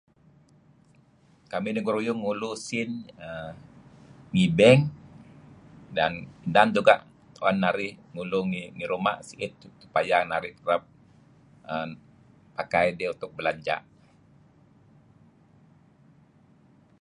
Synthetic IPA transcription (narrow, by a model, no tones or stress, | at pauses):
kaminiŋɡuɾujʊŋːulusɪnə | ŋibɛŋ | danindand͡ʒuɡaʔ | wanːaɾɪhŋuluŋiŋiɾuma̰ʔsiʔɪt̪̚su̥pajanaɾɪht̪əɾəp̚ | ə | pakajdɛunt̪ʊk̚bəlaɲd͡ʒa̰ʔ